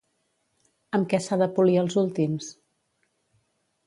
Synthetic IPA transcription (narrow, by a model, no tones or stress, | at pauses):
əmkɛsaðəpuliəlˠzulˠt̪ims